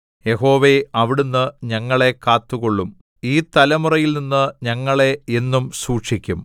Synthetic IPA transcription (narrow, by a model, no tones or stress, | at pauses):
je̞ɦo̞ːʋeɐʋiɽunːɨɲɐŋːɐɭe̞kaːt̪ːuɣo̞ɭːum | iːt̪ɐlɐmurɐjilninːɨɲɐŋːɐɭe̞enːumsuːʈʂikʲːum